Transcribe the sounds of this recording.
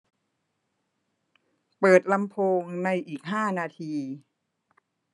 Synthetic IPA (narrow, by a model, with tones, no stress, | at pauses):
pɤː˨˩t̪̚la˧mpʰoː˧ŋna˧jʔiː˨˩k̚ɦaː˥˩naː˧t̪ʰiː˧